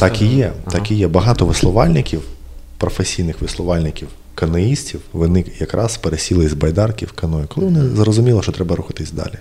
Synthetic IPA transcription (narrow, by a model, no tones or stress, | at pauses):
t̪ɑkijɛt̪ɑkijɛbɐɦɑt̪ɔʋɪslˠɔʋɑlʲnɪkʲiw | pɾɔfesʲijnɪxʋɪslˠɔʋɑlʲnɪkʲiw | kɐnɐjisʲtʲiwʋɪnɪjɐkɾʔɑzpeɾesʲilˠɪzbɐjd̪ɑrkʲiwkɐnɔjʊkɔlˠɪʋɔnɪzrɔzʊmʲilˠɐʃt͡ʃɔt̪ɾɛbɐɾuxɐt̪ɪsʲd̪ɑ̰lʲi